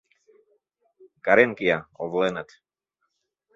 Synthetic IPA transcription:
kaɾɛŋkijaɔvlɛnat̪

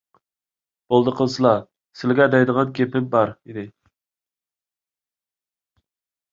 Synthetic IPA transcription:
b̥olˠd̪əqʰəlˠsɨlˠɑ | sɪlɡʲɛd̪ɛjd̪əʁɑnkʲʰepɪmbɑɾid̪ɪ

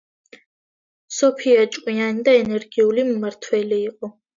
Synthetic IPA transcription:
sɔpʰiat͡ʃʼkʼianid̪aɛnɛɾɡiulimumaɾt̪ʰwɛliːqʼɔ

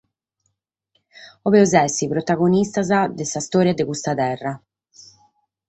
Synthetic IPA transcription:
ɔβɛɔzɛsipɾɔt̪aɣonist̪azad̪ɛsast̪ɔːɾjad̪eɣust̪at̪ɛrːa

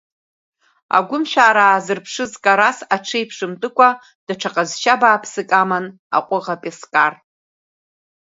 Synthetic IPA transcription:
a̰ɡʷʊmʃᶣaːɾaːzɨrpʰʂɨzkʼaɾasaʈ͡ʂʰejpʰʂɨmtʼɨkʷʰʼa | d̥aʈ͡ʂʰaqʼazʃabaːpʰsɨkʼaman | a̰qʷʼʊʁapʼeskʼar

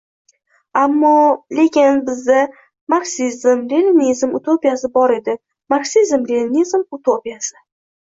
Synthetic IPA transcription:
amːɒle̞kʲɪnbɪzd̪a | maɾksizmɾelɪnizmʊt̪ʰopijasɪbɒɾe̞d̪ɪ | maɾksizmɾelʲɪnizmut̪ʰopijasɪ

